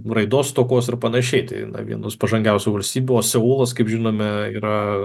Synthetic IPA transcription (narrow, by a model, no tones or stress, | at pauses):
rɐɪd̪oːst̪oːkoːsɪrpɐnɐʃʲɛɪt̪ɐ̰ɪnɐ̰ʋʲḭɛnoːspɐʒɐŋʲɡʲɛʊsʲʊʋɐlʲsʲt̪ʲiːbʲʊoːsʲɛuːlˠɐskɐɪpʒʲɪnoːmʲɛḭːɾɐ